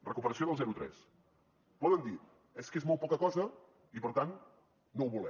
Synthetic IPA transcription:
rəkupəɾəsioðəlˠzɛɾut̪ɾɛ̰s | pɔðənd̪i | eskezmɔlˠt̪̚pɔkəkɔzə | ipəɾt̪anː | owβulɛ

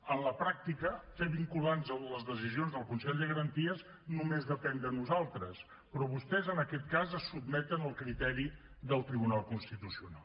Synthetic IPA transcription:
ənləpɾak̚t̪ikəfeβiŋkulanzələzðəzizionzðəlˠkunsɛʎd̪əɣəɾənt̪iəz | numezðəpɛnd̪ənuzalˠt̪ɾəs | pɾɔβust̪ɛzənəkɛt̪̚kazəsːub̚mɛt̪ənəlˠkɾit̪ɛɾi | ðəlˠt̪ɾiβunalˠkunst̪it̪usiuna̰lˠ

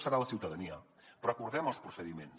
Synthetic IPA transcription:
səɾaləsiwt̪əðəniə | pɾɔkuɾðɛməlˠspɾusəðimens

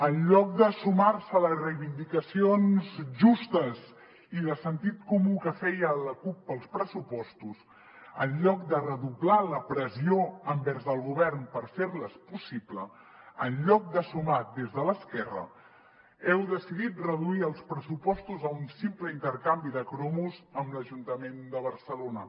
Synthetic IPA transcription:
ənʎɔk̚d̪əsumarsələzrəjβind̪ikəsionzʒust̪əz | iðəsənt̪it̪̚kumukəfɛjələkupːəlˠspɾəsupɔst̪uz | ənʎɔk̚d̪ərəðublaləpɾəzioəmbɛɾzðəlˠɣuβ̞ɛrnpəɾfeɾləspusiplə | ənʎɔk̚d̪əsumat̪̚d̪ezðələskɛrə̰ | ɛwðəsiðit̪rəðuiəlˠspɾəsupɔst̪uzəunsimpləint̪əɾkambiðəkɾomuzəmləʒunt̪əmend̪əβ̞əɾsəlonə

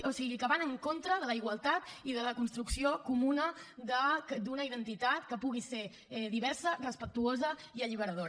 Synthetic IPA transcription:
osiɣikəβanəŋkont̪ɾəðələiɣwəlˠt̪at̪iðələkunst̪ɾuksiokumunəd̪əd̪unəiðənt̪it̪at̪kəpuɣ̞iseɾ | ɛðiβɛɾsərəspək̚t̪uozəiəʎiβəɾəðo

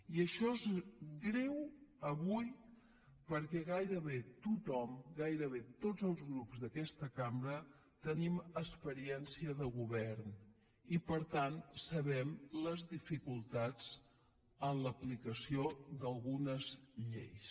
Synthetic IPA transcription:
iəʃɔezɡɾɛwəβuj | pəɾkɛɣajɾəβet̪ut̪ɔmɡajɾəβet̪od͡zəlˠzɣɾupzðəkɛst̪əkambɾə | t̪əniməspəɾiɛnsiəðəɣuβɛrn | ipəɾt̪ansəβɛmləzðifikulˠt̪ad͡z | ənləplikəsiod̪əlˠɣunəzʎḛjs

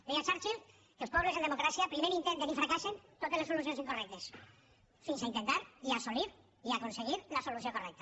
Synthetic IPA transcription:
d̪ejasaɾt͡ʃil | kelˠspɔβlezend̪emokɾasiapɾimeɾint̪ent̪enifɾakasent̪ot̪elesolus̬jonsiŋkorɛk̚t̪es | finsaint̪ent̪aɾiasoliɾ | iakonseɣ̞iɾlasolus̬jokorɛk̚t̪ḁ

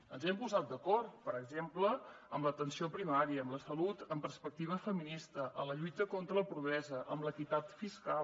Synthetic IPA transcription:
ənzɛmpuzat̪̚d̪əkɔrt̪pəɾəɡzemplə | əmlət̪ənsiopɾimaɾiəːmləsəlut̪əmpərspək̚t̪iβ̞əfəminist̪əʔələʎujt̪əkont̪ɾəːlˠpɾuɣ̞ɾɛzəʔəmbləkit̪at̪fiska

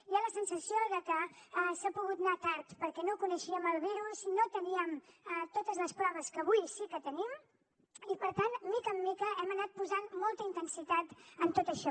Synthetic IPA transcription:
ialəsənsəsioðəkəɛsapuɣut̪nat̪aɾt̪pəɾkɛnokunəʃiəməlˠβiɾusinot̪əniəmɛt̪ot̪əzləspɾɔβ̞əskəβ̞ujsikət̪ənim | ipəɾt̪anmikəmːikəɛmənat̪̚puzanmolˠt̪əint̪ənsit̪at̪ənt̪ot̪əʃɔ

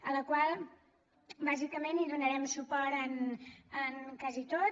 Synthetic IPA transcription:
ələkwalˠ | bazikəmeniðunəɾɛmsupɔɾt̪ənənkazit̪o

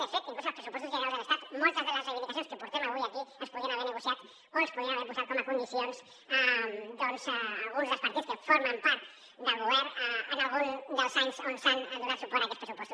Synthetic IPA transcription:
efit̪oiŋklusoospɾesu̥pwest̪osʝjeamoselest̪at̪mut͡ʃ̪azðelaselifit̪aθjoneskepoɾt̪emaojakiespoðianaβeɾneɣosjat̪ | olespoðianaβeɾβuskaɾ̚komakond̪iθjons | ad̪onsaaɣunzðlospaɾt̪iðoskefoɾmãmpaɾt̪ | d̪aβoβeɾaanalɣund̪elsajnsonsanaduðaɾsupoɾakespɾesupwest̪os

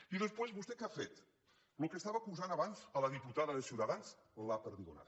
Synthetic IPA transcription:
iðəspwezβust̪ekafet̪ | lukəst̪aβəkuzanəβanzələðiput̪aðəðəsiut̪əðanz | lapəɾðiɣona̰t̪

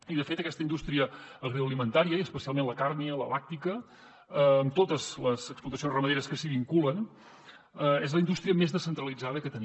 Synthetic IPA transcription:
iðəfet̪əkɛst̪əind̪ust̪ɾiəːɣɾoəlimənt̪aɾiəiəspəsialˠmenləkaɾniələ̰lak̚t̪ikə | əmt̪ot̪əzləzəksplut̪əsionzrəməðeɾəskəsiβiŋkulən | əezləind̪ust̪ɾiəmezðəsənt̪ɾəlid͡zaðəkət̪əni

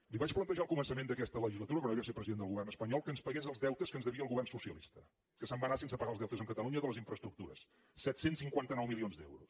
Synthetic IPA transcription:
liβat͡ʃplənt̪əʒalˠkumənsəmend̪əkɛst̪ələʒizlət̪uɾəkənβasepɾəziðend̪əlɣuβɛrnəspəɲɔlˠkənspəɣɛzəlˠzðɛwt̪əskənzðəβiəlˠɣuβɛrnsusiəlḭst̪ə | kəsəmbanasens̬əpəɣalˠzðɛwt̪əzəŋkət̪əluɲəðələziɱfɾəst̪ɾukt̪uɾə̰s | sɛt̪sensiŋkwant̪ənɔwmilionzd̪ɛ̰wɾus

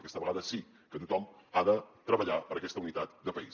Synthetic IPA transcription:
kɛst̪əβəɣaðəsi | kət̪ut̪ɔmaðət̪ɾəβəʎapəɾəkɛst̪əunit̪at̪d̪əpəi

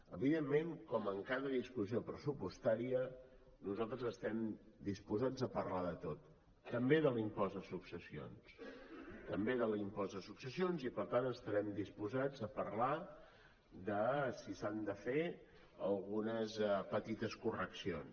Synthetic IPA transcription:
əβiðemːeŋkɔməŋkaðəðiskusiopɾəsupust̪aɾiə | nuzalˠt̪ɾəzəst̪ɛmd̪ispuzad͡zəpərlaðət̪ot̪ | t̪ːəmbeðəlimpɔzðəsuksəsio̰ns | t̪əmbeðəlimpɔzðəsuksəsionzipəɾt̪anəst̪əɾɛmd̪ispuzad͡zəpəɾla | d̪əsisand̪əfe | əlˠɣunəzpət̪it̪əskurəksions

